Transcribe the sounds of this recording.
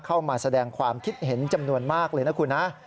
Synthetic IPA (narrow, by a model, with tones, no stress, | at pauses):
kʰa˥˩wmaː˧sa˧dɛː˧ŋkʰwaː˧mkʰi˦˥t̪̚he˩˦nt͡ɕa˧mnu˧ənmaː˥˩k̚lɤː˧jna˦˥kʰu˧nːa˦˥ʔ